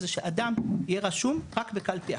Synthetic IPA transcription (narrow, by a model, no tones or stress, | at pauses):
zeʃeʔad̪amijeʁaʃumʁakbekalpi